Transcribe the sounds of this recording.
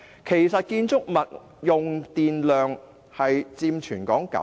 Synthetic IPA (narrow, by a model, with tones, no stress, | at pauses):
kʰe˨˩jsɐ˨t̚kiː˧nt͡sʊ˥k̚mɐ˨t̚ | jʊ˨ŋt̪iː˨nlœː˨ŋ | hɐ˨jt͡siː˧mt͡ʃʰyː˨˩nkɔː˨˥ŋkɐ̰˨˥